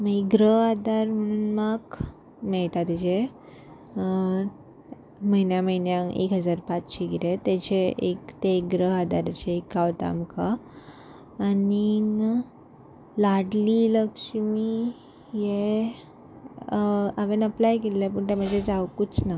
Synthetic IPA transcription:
məiɡɾəɦad̪aɾm̤əɽ̃uːnmaɡ | mɛɭʈat̪it͡ɕe | məɦinjaməinjãḛkɦəd͡zaɾpat͡sɕiɡiɾet̪et͡ɕeʔekt̪ekɡɾəɦad̪aɾat͡ɕeːkːaʋt̪a̰mka | ni | laɽliləkʂmi | je | aʋenəplajkelːap̬əɳt̪aməd͡ʑed͡zawkut͡sna

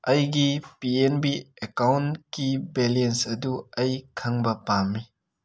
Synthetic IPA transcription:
ɐjɡipienbiekawnkibelensɐduɐjkʰɐŋbɐpamːi

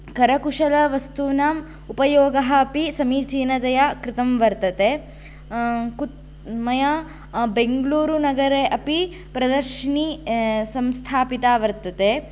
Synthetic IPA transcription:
kɐɾɐkuʂɐlɐʋɐst̪uːnaːm | upɐjoːɡɐɦɐːpisɐmiːt͡ʃiːnɐd̪ɐjɐkɾɪt̪ɐmʋɐɾt̪ɐt̪e | kut̪ | mɐjɐ | beŋɡluːɾunɐɡɐɾeʔɐpi | pɾɐd̪ɐɾʃinisɐmst̪ʰaːpit̪aːʋɐɾt̪ɐt̪e

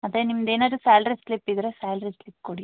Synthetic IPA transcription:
ɐðenimːɐd̪eːnoɾusaːlɾislipːiðiɾesaːlɾislipːkuɽij

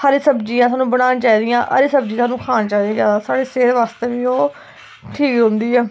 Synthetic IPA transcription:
həɾsəbd͡ʒiːãːtsaːnũːbəɽ̃aːnt͡ʃaːiːd̪ijãːʔə̰ɾesəb̚d͡ʒiːsaːnũːkʰaːnt͡ʃaːd̪iãːd͡ʒjaːd̪aːsaːɽeːseːɾʋaːst̪eːʋiːoː | ʈʰiːkɦʊ̃nd̪iːɛː

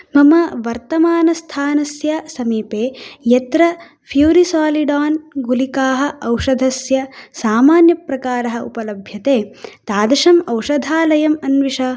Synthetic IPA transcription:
mɐmɐʋɐɾt̪ɐmaːnɐst̪ʰaːnɐsjɐsɐmiːpeːjɐt̪ɾɐ | pʰjuːɾisaːliɖaːnɡulikaːɦɐ̆ʔɐwʂɐd̪ʱɐsjɐsaːmaːnjɐpɾɐkaːɾɐɦɐʔupɐlɐbʱjɐt̪eːt̪aːd̪ɐʂɐmɐwʂɐd̪ʱaːlɐjɐmɐnʋiʂɐ

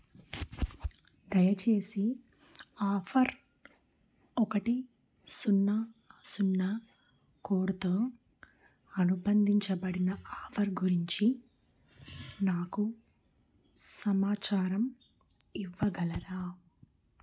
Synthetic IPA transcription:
d̪ɐjɐt͡ʃe̞ːsi | aːfʰɐɾ | ɔkɐʈi | sunːɐsunːɐ | koːɽut̪o̞ː | ɐnubɐnd̪ʱiɲt͡ʃɐbɐɽinɐaːfʰɐɾɡuɾiɲt͡ʃi | naːku | sɐmaːt͡ʃaːɾɐm | iʋːɐɡɐlɐɾaː

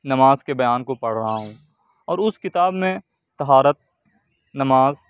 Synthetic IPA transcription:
nɐmaːzkebɐjaːnkopɐɽ̤ɾɐɦaɦũː | ɔːɾʊskɪt̪aːbmẽ | t̪ɐɦaːɾət̪̚ | nɐmaːz

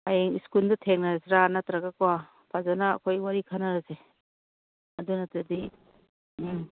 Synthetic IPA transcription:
ajeŋiskuldɐtʰeŋnaseɾanatɾaɡakowa | pʰazana̰ːkʰojwaɾikʰanaɾase | ɐdunatadi

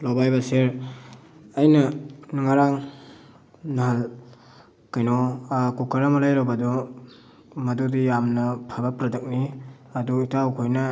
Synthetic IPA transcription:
lowbajbaseɾ | ɐjnɐnŋaɾaŋ | nɐɦal | kajnɔkukaɾamɐlajɾawbɐdɔ | mɐdudijamnɐpʰabapɾɐdɐk̚ni | ɐduitawkʰojnɐ

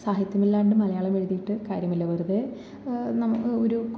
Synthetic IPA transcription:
saːɦjit̪jɐmilːaːɳɖɨmɐlɐjaːɭɐmeɻuðijiʈːɨkaːɾjɐmilːɐʋɐrðe | nɐmoɾuk

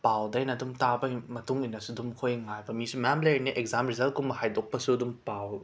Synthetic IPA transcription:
pawdɐjnɐdumtabɐmɐtuŋinɐsudumkʰojŋajbɐmisumɐjamlɐɾiniʔekzamɾizɐlt̚kumɐhajdok̚pɐsudumpaw

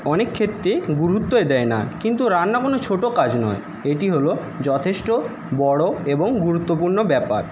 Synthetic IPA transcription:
ɔnekʰːet̪ːɾeɡuɾut̪ːoed̪ɛena̰kint̪uɾanːakonot͡ɕʰoʈokad͡ʑnɔ̰e | eʈiɦolo | d͡ʑɔt̪ʰeʃʈo | bɔɽoeboŋɡuɾut̪ːopuɾnobɛpa̰ɾ

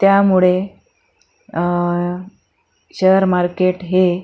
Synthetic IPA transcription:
t̪jamuɭe | ɕəəɾmaɾkeʈɦe

